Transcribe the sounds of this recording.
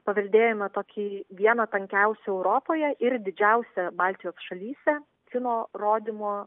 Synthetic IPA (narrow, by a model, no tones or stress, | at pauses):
pɐʋʲɛlʲd̪ʲeːjɛmɐt̪oːkʲiːʋʲiɛnɐt̪ɐŋʲkʲɛʊsʲɛɛʊɾoːpoːjɛʔɪɾd̪ʲɪd͡ʒʲɛʊsʲɛbɑːlʲt̪ʲɪjoːsʃɐlʲiːsʲɛ | kʲɪnoːroːd̪ʲɪmoː